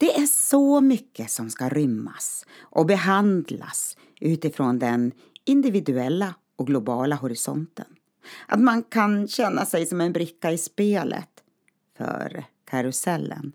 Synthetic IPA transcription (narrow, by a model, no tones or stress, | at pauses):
d̪̥ɛʔæʂɔmʏkːəsɔmskaɾʏmːa̰sʔɔbɛɦand̪la̰s | ʔʉ̟ːt̪ɪfɾoːnd̪ɛn | ɪnd̪ɪvɪd̪ɵɛlːa | ɔk̚ɡlʊbɑːlaɦɔɾɪsɔ̰nt̪ə̰n | ʔa̰t̪mankʰanɕɛnːasɛjsɔmɛnbɾɪkːaɪspeːlʔə̰t̪ | fœ̰ɾ | kʰaɾʊsɛlːə̰n